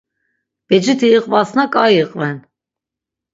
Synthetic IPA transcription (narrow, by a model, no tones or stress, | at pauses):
b̥ɛd͡ʒit̪ʰiːqʼvasnakʼajiqʼvɛn